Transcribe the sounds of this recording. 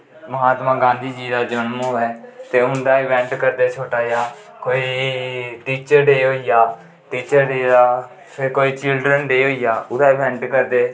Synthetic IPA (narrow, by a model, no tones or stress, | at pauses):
məɦaːt̪mãːɡãːnd̪iːd͡ʒiːd̪aːd͡ʒənmoːɛːt̪eːʊnd̪aːɪʋɛ̃ːɳʈkəɾd̪eːt͡ʃʰoːʈaːjaː | koːiːʈiːt͡ʃəɾɖeːɦoːijaː | ʈiːt͡ʃəɾɖeːaː | pʰɪɾkoːiːt͡ʃɪlɖɾənɖeːɦoːijaːʊd̪aːɪbɛ̃ɳʈkəɾd̪eː